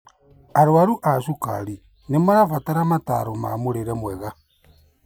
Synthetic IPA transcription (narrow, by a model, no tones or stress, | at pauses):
aɾwaɾuʔaʃuka̰ɾi | nemaɾafataɾamata̰ɾoma̰moɾeɾɛmwɛɣa